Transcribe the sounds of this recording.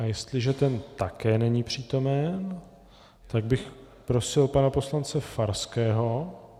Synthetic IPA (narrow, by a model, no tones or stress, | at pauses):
ʔajɛst̪lɪʒɛt̪ɛnt̪akɛːnɛɲiːpr̝̥iːt̪o̞mɛn | t̪aɡbɪx | pɾo̞sɪlpanapo̞slant͡sɛfaɾskɛːɦo̞